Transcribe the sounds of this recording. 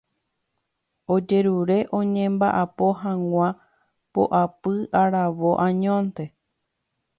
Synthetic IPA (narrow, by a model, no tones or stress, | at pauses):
o̞d͡ʒe̞ɾuɾe̞ʔõ̞ɲẽmbaʔapo̞ɦãŋʷã | po̰ʔapɨaɾaʋo̞ʔãɲõnt̪e̞